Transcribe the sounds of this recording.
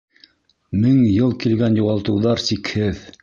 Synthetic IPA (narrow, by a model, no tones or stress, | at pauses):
mɘŋjɤlˠkilɡænjŏʁɑlˠt̪ɤ̆wðɑɾsikhɘð